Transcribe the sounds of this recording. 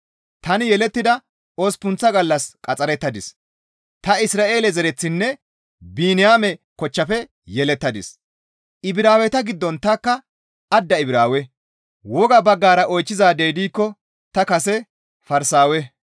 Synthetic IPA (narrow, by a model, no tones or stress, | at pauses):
t̪ɐnɪjɛlɛt̪ːɪd̪ɐ | oːspʊnt͡sːɐɡɐlːɐskʼɐt͡sʼɐɾɛt̪ːɐd̪ɪs | t̪ɐɪsɾaːʔe̞ːlɛzɛɾɛt͡sːɪnːɛ | biːnɪjaːmɛkɔt͡ʃːɐfɛ | jɛlɛt̪ːɐd̪ɪs | ɪbɪɾaːwɛt̪ɐɡɪd̪ːɔnt̪ɐkːɐ | ɐd̪ːɐɪbɾaːwɛ | wɔɡɐbɐɡːaːɾɐʔɔjt͡ʃːɪzaːd̪ejd̪iːkːɔ | t̪ɐkɐsɛ | fɐɾsaːwɛ